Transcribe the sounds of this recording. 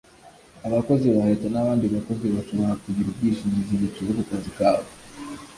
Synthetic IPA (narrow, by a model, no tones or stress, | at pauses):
aβako̞ziβahetanaβaːndiβako̞ziβaʃoβaɾakuɟiɾubɡiʃiɲiziɲit͡ʃuɾokukazikaːβe